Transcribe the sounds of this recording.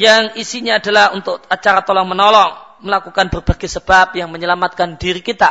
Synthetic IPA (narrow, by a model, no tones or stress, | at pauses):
jaŋisiɲaːdalahunt̪ʊk̚at͡ʃaɾat̪ɔlɔŋmənɔlɔŋməlakukanbərb̥aɡasəb̥ap̚jaŋməɲəlamat̪̚kandiɾikit̪a